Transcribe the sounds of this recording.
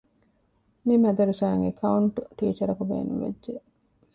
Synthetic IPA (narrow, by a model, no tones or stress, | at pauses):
mimæd̪ɐɾuʃaːŋekʰɐuɳʈʈiːt͡ʃɐɾɐkubḛːnuʋḛdʒe